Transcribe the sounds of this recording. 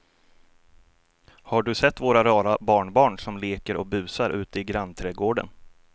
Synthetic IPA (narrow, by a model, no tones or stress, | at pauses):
haɖɵsɛt̪ːvoːɾaɾɑːɾabɑːɳbɑːɳʂɔmleːkəɾʔɔ̰k̚bʉ̟ːsaɾʔʉ̟ːt̪əɪɡɾant̪ʰɾɛːɡoːɖə̰n